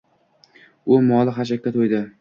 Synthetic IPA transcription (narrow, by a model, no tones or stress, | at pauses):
ʊmɒlˠɪχaʃ̬akʲːat̪ʰojd̪ɪ